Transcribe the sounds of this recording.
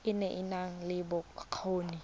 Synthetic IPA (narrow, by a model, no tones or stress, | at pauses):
ɪnɛʔɪnaŋlɪbʊk̚kʰoːni